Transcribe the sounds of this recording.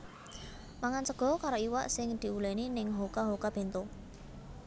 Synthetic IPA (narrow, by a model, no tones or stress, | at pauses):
maŋant͡ʃəɡ̥ɔ̤kaɾoiwa̰ʔsɪŋd̪̥i̤uleninɪŋɦokaɦokab̥e̤nt̪o